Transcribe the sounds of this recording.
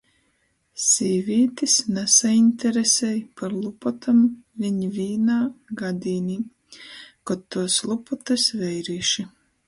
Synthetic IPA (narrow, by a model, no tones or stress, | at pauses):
sʲiːvʲiːt̪isnɛsainʲt̪ʲɛɾesʲɛjpaɾlˠupɔt̪ʰamvʲiɲivʲiːnaːɡad̪ʲiːniː | kɔt̪ːuɔslˠupɔt̪ɨsvɛjɾiːʃi